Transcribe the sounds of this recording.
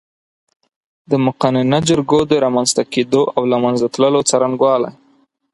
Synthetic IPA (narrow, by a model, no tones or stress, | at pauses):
d̪əmʊqanɪnad͡ʒʊɾɡod̪əɾɑmanz̥t̪aked̪oʔawlamanzat̪ləlot͡saɾanɡwɑla̰j